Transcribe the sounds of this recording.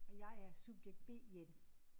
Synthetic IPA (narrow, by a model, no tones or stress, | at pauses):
ɒ̽jɑ̈ɪæɐsub̥jeɡ̥̚d̥̚b̥e̝̰ːed̥ə